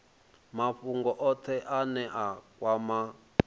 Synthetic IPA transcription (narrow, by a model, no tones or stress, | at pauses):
maɸuŋɡɔʔɔt̪ʰɛʔanɛʔakwama